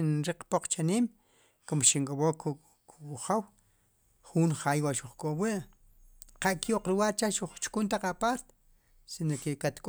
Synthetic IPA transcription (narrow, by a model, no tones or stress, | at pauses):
inɾiq͡χpoq͡χt͡ʃaniːm | komʃiŋkʼowoku | kuχaw | χuːnχaːjwaʔʃuχkʼowiʔ | qaʔkjoʔqɾuwaːɾt͡ʃaʃuχt͡ʃkunt̪aqapaːɾt̪e̥ | sinokekat̪kʼ